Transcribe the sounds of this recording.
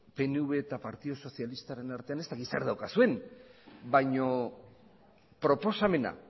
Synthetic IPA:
pe̞nuβe̞ːt̪apaɾt̪iðo̞so̞sialist̪aɾe̞naɾt̪e̞ane̞st̪akit̪sḛɾðawkasue̞n | bajɲo̞ | pɾo̞po̞same̞na̰

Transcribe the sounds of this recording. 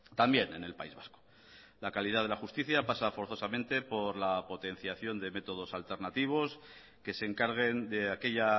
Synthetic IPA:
t̪ambje̞ne̞̰ne̞lpaizβasko̥ | lakaliðað̞e̞laxust̪iθjapasafo̞ɾθo̞samẽ̞nt̪e̞po̞ɾlapo̞t̪e̞n̟θjaθjo̞nd̪e̞me̞t̪o̞ð̞o̞salt̪e̞ɾnat̪iβ̞o̞s | ke̞se̞ŋkaɾɣ̞e̞nd̪e̞ake̞ʎa

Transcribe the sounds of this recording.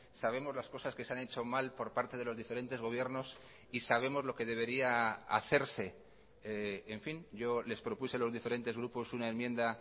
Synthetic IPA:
saβ̞e̞mo̞zlasko̞saske̞seane̞t͡ʃo̞malpo̞ɾpaɾt̪eð̞e̞lo̞zðife̞ɾe̞nt̪e̞zɣo̞β̞je̞ɾno̞s | isaβ̞e̞mo̞zlo̞ke̞ðe̞β̞e̞ɾiaa̰θe̞ɾse̞ | eeɱfinɟ͡ʝo̞le̞spɾo̞puselo̞zðife̞ɾe̞nt̪e̞zɣ̞ɾupo̞sunaenmjẽ̞nd̪a

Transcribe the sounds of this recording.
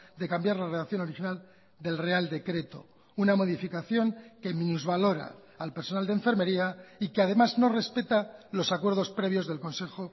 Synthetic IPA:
d̪e̞kambjaɾlare̞ðaθjo̞no̞ɾixinal | d̪e̞lre̞ald̪e̞kɾe̞t̪o̞̰ | unamo̞ðifikaθjo̞ŋkemĩnuzβalo̞ɾa̰ː | lpeɾsonald̪eɱfe̞ɾme̞ɾiaikeað̞e̞mazno̞re̞spe̞t̪alo̞sakwe̞ɾðo̞spɾe̞βjo̞zðe̞lko̞nse̞xo

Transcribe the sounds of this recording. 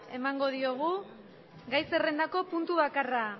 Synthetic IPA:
e̞maŋɡo̞ð̞io̞ɣ̞u | ɡajse̞re̞nd̪ako̞punt̪uβakara

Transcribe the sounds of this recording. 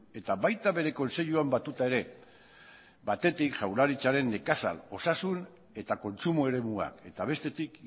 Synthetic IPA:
e̞t̪aβajt̪aβe̞ɾe̞ko̞nse̞ʎuambat̪ut̪ae̞ɾe̞ | bat̪e̞t̪ikʝawlaɾit͡saɾe̞nːe̞kasa̰lo̞sasun | e̞t̪ako̞nt͡sumoe̞ɾe̞mua̰ke̞t̪aβ̞e̞st̪e̞t̪ik

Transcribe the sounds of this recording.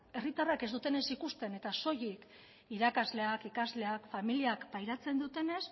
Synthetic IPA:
e̞rit̪arake̞zd̪ut̪e̞ne̞sikust̪e̞ne̞t̪aso̞jik | iɾakazle̞akikazle̞akfamiliakpajɾat͡se̞nd̪ut̪e̞ne̞s

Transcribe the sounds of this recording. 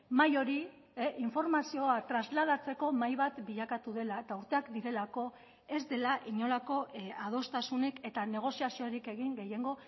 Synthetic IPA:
majo̞ɾi | ʔiɱfo̞ɾmasio̞at̪ɾazlað̞at͡se̞ko̞majβat̪biʎakat̪uðe̞laet̪auɾt̪e̞akd̪iɾe̞lako̞ | e̞zd̪e̞laʔiɲo̞lako̞að̞o̞st̪asuneke̞t̪ane̞ɣ̞o̞siasioɾike̞ɣ̞iŋɡe̞je̞ŋɡo̞

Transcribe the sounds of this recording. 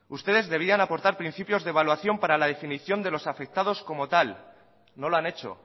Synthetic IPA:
ust̪e̞ð̞e̞zðe̞β̞ianapo̞ɾt̪aɾpɾinθipjo̞zðeβalwaθjo̞mpaɾalað̞e̞finiθjo̞nd̪e̞lo̞safe̞k̚t̪að̞o̞sko̞mo̞t̪al | no̞loane̞t͡ʃo̞̰

